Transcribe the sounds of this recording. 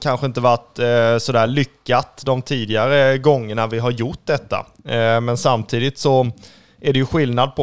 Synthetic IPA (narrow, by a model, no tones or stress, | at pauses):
kʰanɧəɪnt̪əvaʈsɔd̪æːɭʏkːat̪d̪ɔmt̪ʰiːd̪ɪaɾəɡɔŋːəɳavɪɦaɾjʊʈd̪ɛt̪ːa̰ | mɛnsamt̪ʰiːd̪ɪt̪sɔ | ʔæɖɛjɵɧɪlnad̪̚pʰɔ